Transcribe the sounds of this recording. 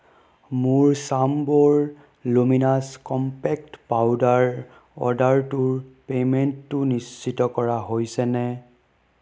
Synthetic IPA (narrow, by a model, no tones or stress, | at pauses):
mʊɹsambɔɹ | luminaskɔmpɛk̚tpawdaɹ | ɔ̰daɹtuɹpemɛntːʊnist͡ʃitɔkɔɹaɦojsɛnɛ